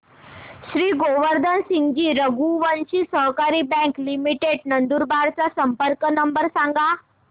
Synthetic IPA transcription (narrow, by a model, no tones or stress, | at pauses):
ɕɾiːɡoʋəɾd̪ʱənsiŋɡiːɾəɡuʋənɕiːsəɦkaɾiːbɛ̃ŋklimiʈeɖnənd̪uɾbaɾt͡sasəmpəɾkənəmbəɾsãŋɡa